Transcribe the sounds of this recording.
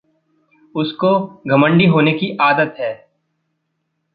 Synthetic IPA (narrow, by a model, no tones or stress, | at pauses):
ʊskoɡʱɐmə̃ɳɖiɦoːnekiʔaːd̪ət̪ɦɛː